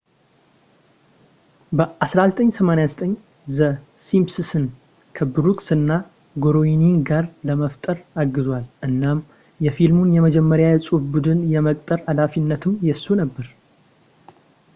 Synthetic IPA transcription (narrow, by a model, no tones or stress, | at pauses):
bəʔasɾazət̪ʼəɲːsəmanejazət̪ʼəɲː | zə | simpsɨsɨn | kʰəbɨɾukʼsɨnːa | ɡoɾojiniŋɡaɾləməft̪ʼəɾaɡːɨzwalʔɨnːam | jɛfilmunjɛməd͡ʒɛmːəɾjajɛsʼufbud̪ɨnjɛməkʼt̪ʼəɾad̪afinːət̪ʰɨmjɛsːunəbːəɾ